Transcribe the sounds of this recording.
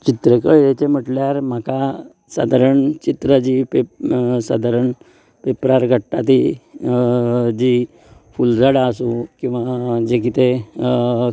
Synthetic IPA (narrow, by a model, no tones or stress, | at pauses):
t͡ɕit̪ɾekəɭjet͡ɕem̤əʈljaɾm̤aka | sa̰d̪ʱaɾəɳt͡ɕit̪ɾəd͡ʑipesa̰d̪ʱaɾəɳ | pepɾaɾɡʱəʈat̪i | d͡ʑi | fuld͡zaɽaəsukĩw̃ʋad͡ʑekit̪e